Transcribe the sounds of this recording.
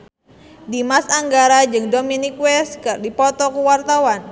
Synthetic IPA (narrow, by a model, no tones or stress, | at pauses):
dimasaŋɡaɾad͡ʒɨŋdominikwɛskardipɔt̪ɔkuwart̪awan